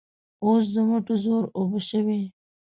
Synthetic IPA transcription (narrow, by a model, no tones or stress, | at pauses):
oːs̬d̪əmʊʈozoːɾoboʃəwe